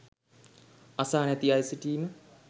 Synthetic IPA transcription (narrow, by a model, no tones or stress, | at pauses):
ɐsaːnɛt̪iajsiʈiːmə